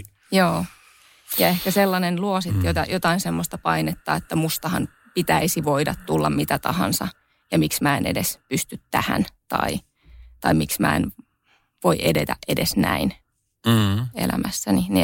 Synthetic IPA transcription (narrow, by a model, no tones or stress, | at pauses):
joː | jɑehkæselːɑnenluosit̪jot̪ɑjot̪ɑinsemːost̪ɑpɑinet̪ːɑ̰ːet̪ːæmust̪ɑhɑn | pit̪æisiʋoidɑt̪t̪ulːɑmmit̪æt̪ɑhɑ̰nsɑ | jɑmiksmæːenḛdespyst̪yt̪tæhæ̰nt̪ɑ̰i | t̪ɑimiksmæ̰ːḛn | ʋoiʔedḛt̪æʔʔedesnæ̰in | ḛlæ̰mʔæsːænini